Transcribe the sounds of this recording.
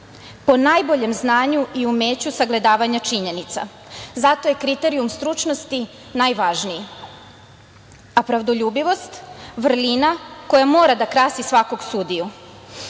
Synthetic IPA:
po̞najbo̞ʎe̞mznaːɲuʔiume̞ːt͡ɕusaɡle̞d̪aːʋaɲat͡ʃiɲe̞nit̪sa̰ | zat̪o̞je̞kɾit̪eɾiumst̪ɾut͡ʃno̞st̪i | najʋaʒniji | apɾaʋd̪oʎuːbiʋo̞st̪ʋr̩linako̞jamo̞ːɾad̪akɾasisʋako̞ɡsud̪iju

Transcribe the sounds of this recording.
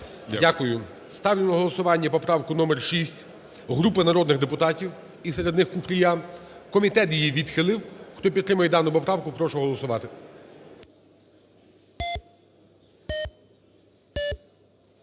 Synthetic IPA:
dʲakʊjʊ | st̪ɑwlʲɪnɐɦɔlˠɔsʊʋɑnʲːɐpɔpɾɑwkʊnɔmɛrʃisʲtʲ | ɦɾupɪnɐɾɔd̪nɪɣd̪epʊt̪ɑtʲiw | iseɾe̞d̪nɪxkʊpɾʲija | kɔmʲit̪ɛt̪jijiʋʲid̪xɪlˠɪwxt̪ɔp̬ʲid̪t̪ːɾɪmɐjɛd̪ɑnʊpɔpɾɑwkʊpɾɔʃɔɦɔlˠɔsʊʋɑt̪ɪ

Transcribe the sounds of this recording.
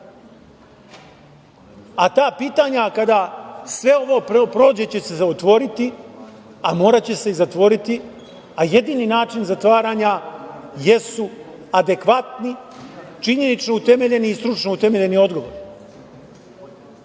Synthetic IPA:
at̪aːpiːt̪aːɲakad̪asʋe̞o̞ʋo̞ːpɾopɾo̞ːd͡ʑe̞t͡ɕe̞se̞zaot̪ʋo̞ɾit̪i | amo̞ːɾat͡ɕe̞se̞izat̪ʋo̞ɾit̪i | aje̞d̪iːninaːt͡ʃinzat̪ʋaːɾaːɲaje̞su | ad̪e̞kʋat̪nit͡ʃiɲe̞nit͡ʃno̞ut̪e̞me̞ʎe̞niiːst̪ɾut͡ʃnout̪e̞me̞ʎe̞nio̞d̪ɡo̞ʋo̞̰ɾi

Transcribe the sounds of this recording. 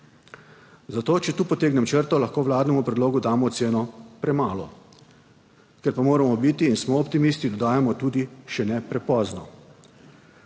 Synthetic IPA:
zat̪oːt͡ʃɛt̪uːpɔt̪eːɡnɛmt͡ʃəɾt̪ɔlaxkoːʋlaːd̪nɛmupɾɛd̪loːɡud̪aːmɔt̪seːnɔpɾɛmaːlɔ̰ | kɛɾpamoːɾamɔbit̪iːnsmɔːpt̪imist̪id̪ɔd̪aːjamɔt̪uːd̪iʃɛnɛpɾɛpɔːznɔ

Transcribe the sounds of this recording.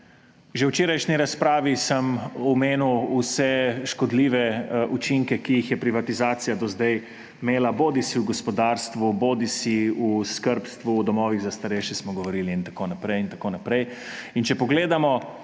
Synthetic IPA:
ʒewt͡ʃeːɾajʃniɾaspɾaːʋisəmɔmeːnuwusɛʃkɔd̪liːʋɛʔut͡ʃiŋkɛkijixjɛpɾiʋat̪izaːt̪sijad̪ɔzd̪ɛj | meːlaboːd̪isiuɡɔspɔd̪aːɾst̪ʋuboːd̪isiuskəɾpst̪ʋuːd̪ɔmɔːʋiɣzast̪aɾeʃjɛsmɔɡɔʋɔɾiːliːnt̪akoːnapɾɛjint̪akoːnapɾɛj | int͡ʃɛpɔɡleːd̪amɔ

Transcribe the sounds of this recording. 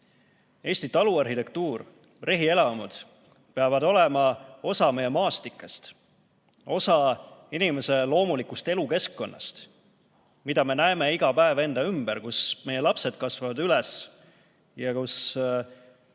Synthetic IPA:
e̞ːsʲt̪it̪ɑluɑrhit̪e̞k̚t̪uːr | reɦie̞lɑmud̪̥ | peɑvɑd̪o̞le̞mɑo̞sɑme̞jemɑːst̪ikːˑɑst̪ | o̞sɑinime̞se̞lo̞ːmulikust̪e̞luke̞skːo̞nːɑ̰st̪ | mid̪ɑme̞næeme̞iɡ̥ɑpæeve̞nd̪̥ɑymb̥eɾkusme̞je̞lɑpse̞d̪̥̚kɑsvɑvɑd̪ylɛs | jɑkus

